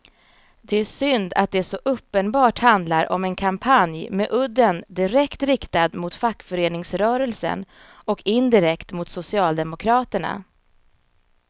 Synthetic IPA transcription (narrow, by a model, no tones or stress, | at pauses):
d̪̥ɛæʂʏnd̪a̰t̪̚d̪ɛæʂɔʔɵpːənbɑːʈhand̪laɾʔɔ̰mɛnkʰampʰanjmɛʔɵd̪ːənd̪ɪɾɛkt̪ɾɪkt̪ad̪mʊt̪fakːfœɾeːnɪŋsɾœːɾɛlsə̰n | ɔkʰɪnd̪ɪɾɛkt̪mʊt̪sʊsɪɑːld̪ɛmʊkʰɾɑːt̪əɳa̰